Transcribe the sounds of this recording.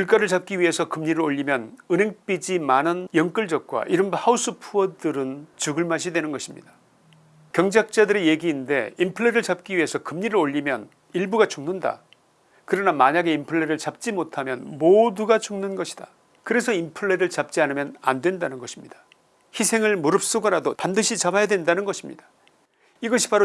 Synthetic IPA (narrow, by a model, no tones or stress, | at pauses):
kuɭk͈aɾɯɭt͡ɕap̚k͈iɥiɦe̞sʰʌkɯmɲiɾɯɭɾoʎːimjʌnɯnɦe̞ŋp͈id͡ʑimanɯnjʌŋk͈ɯɭd͡ʑʌk̚k͈wa̰ʔiɾɯmbahaus͈ʰɯpʰuʌdɯɾɯnt͡ɕuɡɯɭmaɕ̬ʰidwe̞nɯnɡʌɕʰimɲḭdḁ | kjʌŋd͡ʑak̚t͡ɕ͈adɯɾe̞je̞ɡiːnde̞̰impʰɯɭːeɾɯɭt͡ɕap̚k͈iɥiɦe̞sʰʌkɯmɲiɾɯɾoʎːimjʌn | iɭbuɡat͡ɕʰuŋnɯnda̰ | kɯɾʌnamaɲaɡe̞impʰɯɭːeɾɯɭt͡ɕap̚t͡ɕ͈imotʰamjʌ̰nmoduɡat͡ɕʰuŋnunɡʌɕʰi̥d̥a | kɯɾe̞sʰʌimpʰɯɭːeɾɯɭt͡ɕap̚t͡ɕ͈ianɯmjʌna̰ndwe̞ndanɯnɡʌɕʰimɲid̥ḁ | çisʰe̞ŋɯɭmuɾɯp̚s͈oɡʌɾadopandɯɕʰit͡ɕabajadwe̞ndanɯnɡʌɕʰimɲḭd̥ḁ | iɡʌɕʰi̥paɾo